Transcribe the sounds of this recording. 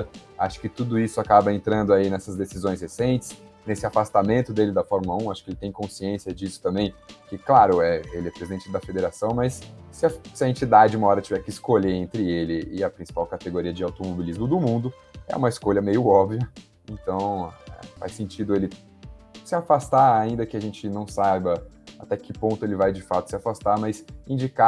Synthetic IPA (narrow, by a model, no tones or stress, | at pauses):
ɐaʃʊ̥kɪt̪ud̪ʊisʊakabɐẽnt̪ɾɐ̃nd̪ʊainɛsɐzd̪esizõj̃shesẽnt͡ʃɪ̥snesɪafast̪amẽnt̪ʊd̪elɪd̪ɐfɔɾmlɐũaʃʊ̥kɪelɪt̪ẽj̃kõsiẽsiɐd͡ʒisʊ̥t̪ɐ̃mbẽj̃kɪklaɾʊɛelɪɛpɾezid̪ẽnt͡ʃɪd̪ɐfed̪eɾasɐ̃w̃mɐsːɪɐsɪɐẽnt͡ʃid̪ad͡ʒɪũmɐɔɾɐt͡ʃivɛɾkɪːskoʎeẽnt̪ɾɪelɪɪɐpɾĩsi̥pawkat̪eɡoɾiɐd͡ʒɪawt̪omobilizmʊd̪ʊmũnd̪ʊ | ɛ̰ũmɐɪskoʎɐmejʊɔbviɐ | ẽnt̪ɐ̃w̃ɛ̰fa̰jsẽnt͡ʃid̪ʊelɪ | sɪafast̪aɾaĩnd̪ɐkɪaʒẽnt͡ʃɪnɐ̃w̃sajbɐat̪ɛkɪpõnt̪ʊelɪvajd͡ʒɪfat̪ʊsɪafast̪amɐsĩd͡ʒika